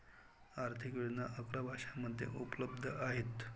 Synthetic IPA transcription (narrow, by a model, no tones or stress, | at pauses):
aɾt̪ʰikʋed̪naʔəkɾabʱaʂamːəd̪ʱjḛʔupləb̚d̪ʱəʔaɦet̪